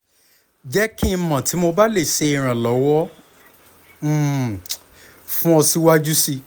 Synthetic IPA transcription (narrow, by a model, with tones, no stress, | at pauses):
d͡ʒɛ˦ki˦˧˦mã˨ti˨˦mo˧ba˦le˦˨se˧i˨ɾ̃ã˨lɔ˨˦wɔ˦ | m̩˨ | fũ˦ɔ˧si˦wa˦d͡ʒu˦si˧